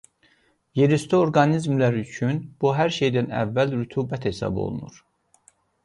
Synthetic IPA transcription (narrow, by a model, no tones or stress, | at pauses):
jeɾist̪ʰooɾɡɑnizmlæɾyt͡ʃʰynb̥uɦæɾʃe̞jd̪ænæ̰vːælɾyt̪ʰuːbæt̪hesɑ̰bo̞̰lˠṵnṵɾ̥